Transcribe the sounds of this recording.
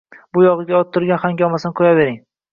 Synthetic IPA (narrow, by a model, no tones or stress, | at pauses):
bʊjɒʁɨɡʲaɒt̪ʰːʊɾɡʲanχaŋɡʲɒmasɪnqʰojave̞ɾɪŋ